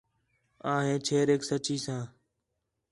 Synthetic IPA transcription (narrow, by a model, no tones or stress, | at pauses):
ãːɦẽːt͡ʃʰeːɾeːksət͡ʃiːsãː